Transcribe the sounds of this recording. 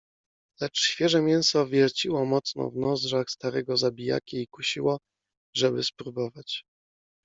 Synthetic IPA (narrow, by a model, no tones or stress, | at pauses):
lɛt͡ʂɕfʲjɛʐɛmʲjɛñsɔvʲjɛlt͡ɕiwɔmɔt̪snɔ̰vnɔzʐaxst̪aɾɛɡɔzabʲija̰kʲiikuɕiwɔ | ʐɛbɘspɾubɔvat͡ɕ